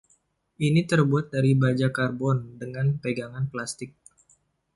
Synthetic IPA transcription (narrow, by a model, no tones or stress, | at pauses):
ʔinit̪ərbuat̪̚daɾibad͡ʒakarbɔndəŋanpeɡaŋanplast̪ɪk̚